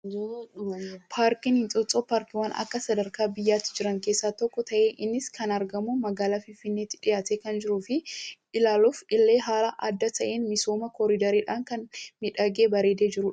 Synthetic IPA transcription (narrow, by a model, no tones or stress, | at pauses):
pʰaːɾkɪnhɪnt͡sʼɔt͡sʼoːpaːɾkɪwaːnɐ̰kːɐsɐd̪ɐɾkaːbɪjːaːt̪ːɪ̥d͡ʒɪɾɐŋkeːsːaːt̪ɔkːɔt̪ɐʔeːʔɪnːɪskʰɐnɐɾɡɐmuːmɐɡaːlaːfɪnfɪnːeːt̪ːɪᶑɪjaːt̪eːkɐnd͡ʒɪɾuːfɪʔɪlaːlufɪlːe̞ːɦaːlɐʔɐd̪ːɐt̪ʰɐʔeːnmɪsoːmɐkɔɾɪd̪ɐɾiːᶑaːŋkɐnmɪᶑɐɡeːbɐɾeːd̪eːd͡ʒɪɾʊᶑ